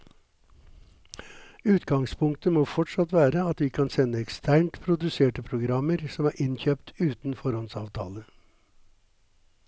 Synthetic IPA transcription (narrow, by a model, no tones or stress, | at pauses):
ʉːt̪ɡɑŋspʰʊŋkt̪əmoːfɔʈʂɑt̪ʋæːɾəɑt̪ʋiːkʰɑnsɛnːəɛkst̪ʰæːɳʈpʰɾʊd̪ʉseːʈəpʰɾʊɡɾɑməɾsɔmæːɾʔɪnçøːpt̪ʰʉːt̪n̩fɔɾɔnsɑːʋt̪ʰɑ̰ːlə